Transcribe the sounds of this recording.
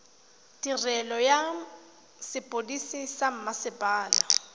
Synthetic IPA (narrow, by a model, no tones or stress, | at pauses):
dirɛlɔja | sɪpʼodisisam̩masɪpʼaːla